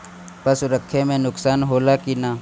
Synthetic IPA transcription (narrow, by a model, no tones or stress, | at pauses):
pɐsʊɾəkʰːemẽnʊksaːnɦoːlakina